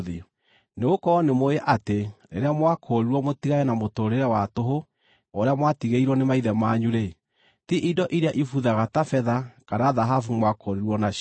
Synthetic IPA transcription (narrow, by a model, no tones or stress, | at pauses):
ði | neɣokɔːnemojɛʔateɾḛɾeamwakʰoɾiɾwɔmotiɣajɛnamotoːɾeɾɛwatoɦo | oɾeamwatiɣeiɾwɔnemaiðɛmaɲuɾe | tiʔidɔʔiɾeaʔifuðaɣatafɛðakaɾaðaɦafumwakoɾiɾwɔna